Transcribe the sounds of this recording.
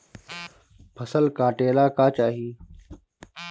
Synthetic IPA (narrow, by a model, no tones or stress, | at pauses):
pʰəsəlkaːʈeːlaːkaːt͡ʃaːɦiː